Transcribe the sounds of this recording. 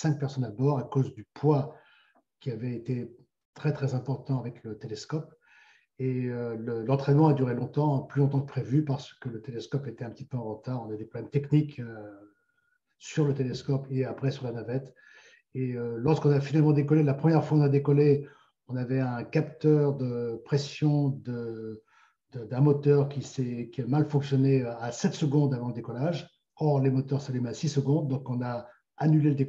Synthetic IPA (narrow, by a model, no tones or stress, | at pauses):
sɛ̃k̚pɛʁsɔnabɔʁakozd̪ypwa | kʲiavɛet̪e | t̪χɛt̪χɛzɛ̃pɔʁt̪ɑ̃avɛklət̪eleskɔp | eøləlɑ̃t̪χɛnmɑ̃ad̪yʁelɔ̃t̪ɑ̃plylɔ̃t̪ɑ̃kə̥pχevypaʁsə̥kələt̪elɛskɔpet̪ɛɛ̃pət̪ipøɑ̃ʁət̪aːʁɔ̃navɛd̪epχɔblɛmt̪ɛknikø | syʁlət̪eleskɔpeapχɛsyʁlanavɛt̪ | eølɔʁskɔ̃nafinalmɑ̃d̪ekɔlelapχəmjɛʁfwaɔ̃nad̪ekɔle | ɔ̃navɛɛ̃kapt̪œʁd̪əpχɛsjɔ̃d̪ə | d̪əd̪ɛ̃mɔt̪œʁkʲisɛkʲiamalfɔ̃ksjɔneasɛt̪səɡɔ̃d̪avɑ̃ləd̪ekɔlaʒ | ɔʁlemɔt̪œʁsalymasisəɡɔ̃d̪ːɔ̃kɔ̃naː | nyleləd̪ek